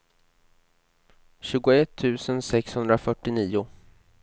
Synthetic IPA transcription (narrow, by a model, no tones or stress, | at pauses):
ɕʉ̟ːɡʊɛt̪ʰːʉ̟ːsənsɛkshɵnd̪ɾafœʈːɪniːʊ